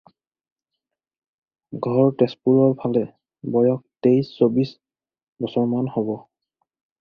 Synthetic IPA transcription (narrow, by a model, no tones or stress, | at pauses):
ɡʱɔɹtɛspuɹɔɹpʰalɛ | bɔjɔk̚tejsːobis | bɔsɔɹmanhobɔ